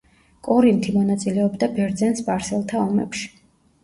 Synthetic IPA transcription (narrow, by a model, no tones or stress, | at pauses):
kʼɔɾint̪ʰimɔnat̪sʼilɛɔbd̪abɛɾd̪zɛnsbaɾsɛlˠt̪ʰaɔmɛ̰pʃi̥